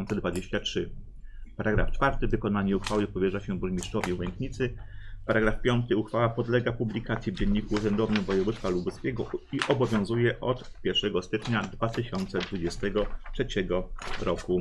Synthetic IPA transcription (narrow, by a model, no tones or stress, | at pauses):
nt̪sɛd̪vad͡ʑeɕt͡ɕatʂɘ | paɾaɡɾa̰ft͡ʂfaɾt̪ɘvɘkɔnaɲɛuxfawɘpɔvʲɛʐaɕɛuɾmʲiʂt͡ʂɔvʲiuwɛŋkɲit̪sɘ | paɾaɡɾafpʲjɔnt̪ɘuxfawapɔd̪lɛɡapublʲikat̪sʲjivd͡ʑeɲːikuːʐɛnd̪ɔvnɘmvɔjɛvust̪falubuskʲɛɡɔiʔɔbɔvʲjɔ̃w̃zujɛʔɔt̪ | pʲjɛɾʂɛɡɔst̪ɘt͡ʂɲad̪vat̪ɘɕɔnt̪sɛd̪vud͡ʑɛst̪ɛɡɔtʂɛt͡ɕɛɡɔɾɔku